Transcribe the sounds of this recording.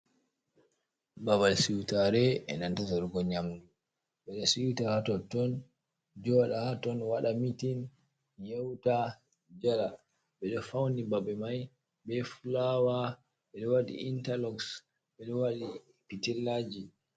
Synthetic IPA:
bawalsiwtaɾɛɛ̰nantataɾuɡɔɲamdu | ɓɛɗɔsiwtahatɔtɔn | d͡ʒɔɗahatɔnwaɗamitin | jɛwta | d͡ʒala | ɓɛɗɔfawnibaɓɛmaj | bɛfulawa | ɓɛɗɔwaɗḭʔintalɔks | ɓɛɗɔwaɗi | pitɛlːad͡ʒi

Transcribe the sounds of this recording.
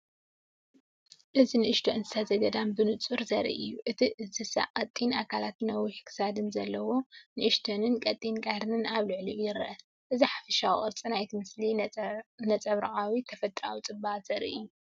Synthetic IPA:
ʔɨzinɨʔɨʃt̪ʰoɨnzɨsʰɐzɐd̪ɐd̪ambɨnɨt͡sʼuɾzɐɾḭʔɨjːuʔɨt̪ʰiɨzɨsa̰qʼɐt̪ʼːinʔakʰalat̪nɐwiħikʰɨ̥sad̪ɨnzɐlːɐwo̞nɨʔɨʃt̪ʰonɨnkʼɐt̪ʼːinkʼaɾɨnɨnaβlɨʕlijɪɾɐʔɐ | ʔɨziħafɐʃaw̰χʼɨɾt͡sʼinajt̪ʰimɨsli | nɐt͡sʼɐβɾaʔawit̪ʰɐfɐt̪ʼɾawit͡sʼɨbːat̪z̥ɐɾḭʔɨ̰jːu

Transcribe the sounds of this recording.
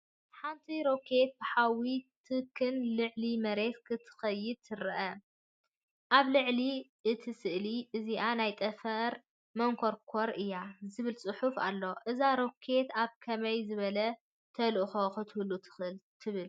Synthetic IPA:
ħant̪ʰiɾo̞kʰe̞t̪̚bɨħawit̪ʰɨkʰɨnlɨʕlimɐɾe̞t̪kʰɨt̪ʰɨ̥xɐjːɪd̪̚t̪ʰɨɾɐʔɐ | ʔaβlɨʕliʔɨt̪ʰisɨʔliʔɨziʔanajt̪ʼɐfɐɾ | mɐŋkʰo̞ɾkʰo̞ɾɨjːazɨβɨlt͡sʼɨħufa̰lːo̞ʔɨzaɾo̞kʰe̞t̪aβkʰɐmɐjzɨβɐlɐ | t̪ʰɐlʔxoxɨt̪ʰhulːut̪ʰɨɨlt̪ʰɨβɨl

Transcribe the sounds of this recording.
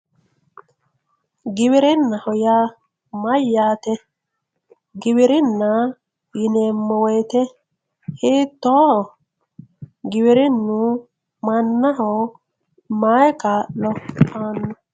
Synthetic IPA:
ɡɪβɪɾɪnːɐhɔjaː | mɐjːaːt̪ɛ | ɡɪβɪɾɪnːɐ | jɪneːmːɔwɛjt̪ɛ | hiːt̪ːɔhɔ | ɡɪwɪɾɪnːʊ | mɐnːɐɦɔ | majkaːʔlɔaːnːɔ

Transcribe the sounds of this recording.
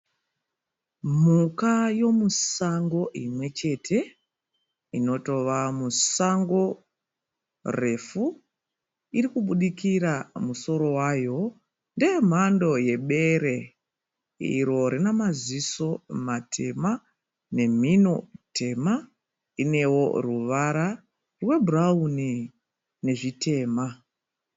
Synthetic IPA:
mukajo̞musaŋɡo̞ʔimwe̞t͡ʃe̞tʰe̞ | ino̞to̞ʋamusaŋɡo̞ | re̞fu | iɾikuɓuɗikiɾamuso̞ɾo̞waːjo̞ | ndem̤ando̞je̞ɓe̞ɾe̞ | ḭɾo̞ɾinamaziso̞matʰe̞ma | ne̞m̤ino̞̰tʰe̞ma | ine̞wo̞̰ruʋaɾa | rwe̞bʱurauni | ne̞ʐitʰe̞ːma

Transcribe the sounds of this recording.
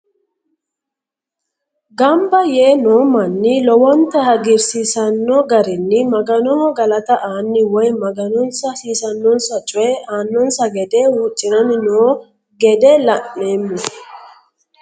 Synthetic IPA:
ɡɐmbɐjeːnoːmɐnːɪlɔwɔnt̪ɐhɐɡɪɾsisɐnːɔɡɐɾɪnːɪmɐɡɐnɔɔɡɐlɐt̪ɐʔaːnːɪwɔjmɐɡɐnɔnsɐsiːsɐnːɔnsɐt͡ʃʼɔɛaːnːɔnsɐɡɛd̪ɛwuːt͡ʃʼːɪnɐnɪnoː | ɡɛd̪ɛlɐnːe̞ːmːʊ

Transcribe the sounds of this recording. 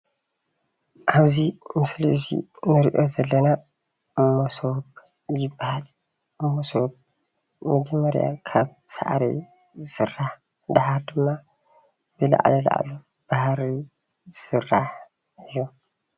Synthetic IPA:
ʔaβzimɨslʔɨzḭnɨɾiʔo̞zɐlːɐna | mːosob | jɪbːahal | ʔɨmːosob̚ | mɐd͡ʒɐmːɐɾja̰kʰaβsa̰ʔɾḭ | sɨrːaħ | d̪ahaɾd̪ɨmːa | b̥ɨla̰ʕlila̰ʔlu | b̥ahɾi | sɨrːaħ | ɨjːo

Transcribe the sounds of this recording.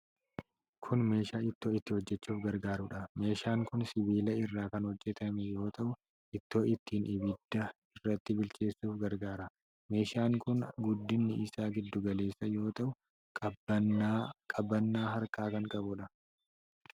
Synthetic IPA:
kʰʊnme̞ːʃaːɪt̪ːo̞ːɪt̪ːɪhɔd͡ʒːɛt͡ʃːuːfɡɐɾɡaːɾʊᶑɐme̞ːʃaːŋkʊnsɪbiːlɐɪrːaːkɐnhɔd͡ʒːɛt̪ɐmɛjo̞ːt̪ɐʔʊ | ʔɪt̪ːo̞ːʔɪt̪ːiːnʔɪbɪd̪̥ːɐ | ɪrːɐt̪ːɪbɪlt͡ʃe̞ːsːuːfɡɐɾɡaːɾɐ | me̞ːʃaːŋkʊnɡʊd̪ːɪnːɪɪsaːɡɪd̪ːʊɡɐle̞ːsːɐjo̞ːt̪ɐʔʊ | kɐb | kʼɐbɐnːaːɦɐɾkaːkɐŋkʼɐbʊᶑɐ

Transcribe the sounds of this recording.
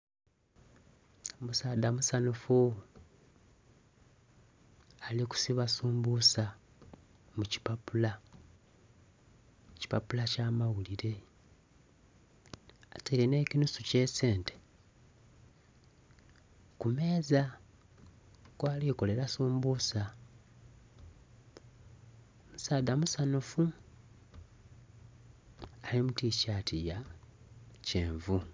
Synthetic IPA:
musaːdamusanufu | aliku̥siβasuːmbusa | muci̥papula | ci̥papulacaːmawuliɾe̞ | atelene̞ːcinusuce̞se̞ːnte | kume̞ːza | kwaːliko̞le̞ɾasuːmbusa | musaːd̪amusanofu | limuticaːtʰija | ceːɱvu

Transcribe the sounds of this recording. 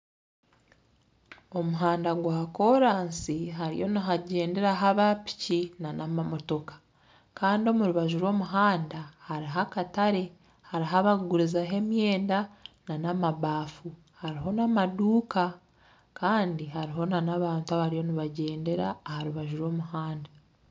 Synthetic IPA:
o̞muɦaːndaɡwaako̞ɾaːnsiɦaɾḭjo̞niɦaɟe̞ːnde̞ɾaɦaβapi̥cinanʔamamo̞to̞kḁ | kaːndio̞muɾuβaʒuɾwo̞ːmuɦaːndahaɾiɦakataɾe̞ | haɾiɦaβauɡuɾizaɦe̞mje̞ːndananamaβaːfu | haɾiɦo̞namaduːka | kaːndiɦaɾiɦo̞nanaβaːntuaβaɾijo̞niβaɟe̞ːnde̞ɾaːhaɾuβaʒuɾo̞ːmuhaːnda

